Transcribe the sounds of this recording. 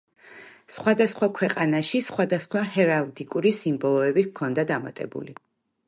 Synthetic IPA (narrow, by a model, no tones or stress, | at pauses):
sχwad̪asχwakʰwɛqʼanaʃisχwad̪asχwahɛɾalˠd̪ikʼuɾisimbɔlˠɔɛbikʰɔnd̪ad̪ama̰t̪ʼɛ̰bṵli